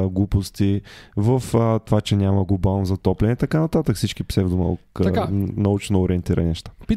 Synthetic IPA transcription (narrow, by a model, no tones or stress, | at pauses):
ɡlˠupost̪ivəfət̪ovat͡ʃɛnʲaməɡlˠʊbalˠnozɐt̪ɔplʲɛnɛt̪ɐkanɐt̪at̪əkfsit͡ʃkipsɛvd̪umə̰lˠknɐut͡ʃnoːɾiɛnt̪iɾə̰nʲinɛʃt̪ḁp